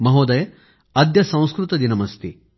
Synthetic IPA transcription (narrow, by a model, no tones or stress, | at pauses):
mɐɦoːd̪ɐjɐ | ɐd̪jɐsɐ̃w̃skɾut̪ɐd̪inɐmɐst̪i